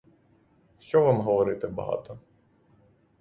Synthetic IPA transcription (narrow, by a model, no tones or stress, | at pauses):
ʃt͡ʃɔʋamɦɔʋɔɾɪt̪ebɐ̰ɦɑ̰t̪ɔ